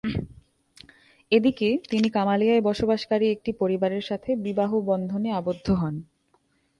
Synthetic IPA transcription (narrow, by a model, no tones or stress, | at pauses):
ed̪iket̪inikamaliaebɔʃobaʃkaɾiek̚ʈipoɾibaɾeɾʃat̪ʰebibaɦobɔnd̪ʱoneabod̪ʱːoɦɔn